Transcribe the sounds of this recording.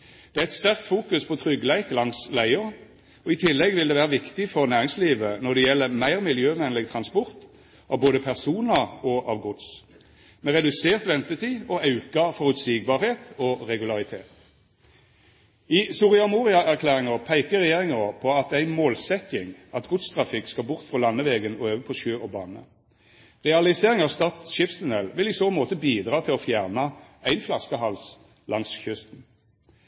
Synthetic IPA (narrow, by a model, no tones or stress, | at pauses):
d̪̥ɛææɪt̪st̪æʁk̚t̪fuːkʉspʰɔt̪ʰʁʏɡlæɪklɑŋslæɪʊʁ | ɔɪt̪ʰɪlːɛɡʋɪld̪ɛːʋæːʁəʋɪkt̪ɪfɔʁnæːʁɪŋsliːʋənɔʁd̪ɛjɛlːəmæɪʁmɪljøːʋɛnlɪɡ̚t̪ʰʁɑnspɔʁt̪ | ʔɑboːd̪əpʰæʁsuːnɑɔʔɑʋɡʊd̪s | mɛʁɛd̪ʉseːʁt̪ʋɛnt̪ət̪ʰiːɔɑʉkɑfɔʁʉt̪siːɡ̚bɑːʁheːt̪ɔʁɛɡʉlɑʁɪt̪ʰḛːt̪ | isʊʁɪɑmuːʁɪɑʔæʁkʰlæːʁɪŋəʁpʰæɪkəʁɛjeːʁɪŋəʁpʰɔɑt̪æɪnmoːlsɛt̪ɪŋɑt̪ɡʊt̪st̪ʰʁɑfɪkskɑbʊʁt̪fʁɔlɑnːəʋeːɡənɔøːʋəpʰɔʃøːɔbɑːnə̰ | ʁɛɑlɪseːʁɪŋɑːʋst̪ɑt̪ʃɪpst̪ʉnɛlʋɪlisoːnmoːt̪əbiːd̪ʁɑːt̪ʰɪlɔfjæʁnɑæɪnflɑskəhɑls | lɑŋsçʏst̪n̩